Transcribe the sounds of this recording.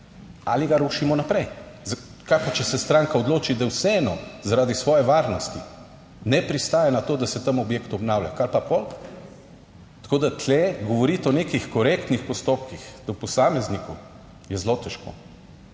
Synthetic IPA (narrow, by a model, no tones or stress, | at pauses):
a̰liɡaɾoːʃimɔnapɾɛj | z | kakɔt͡ʃɛsɛst̪ɾaːŋkaɔd̪loːt͡ʃid̪awsɛɛːnɔzaɾaːd̪isʋɔːjɛʋaɾnɔst̪i | nɛpɾist̪aːjɛnat̪oːd̪asɛt̪ɐmɔbjeːkt̪ɔbnawlja̰kalpapol | t̪ɐ̥koːd̪at̪ʰlɛɡɔʋɔɾit̪ɔneːkixkɔɾekt̪nixpɔst̪oːp̚kixd̪ɔpɔsaːmɛzniku | jɛzlot̪ɛʃko̰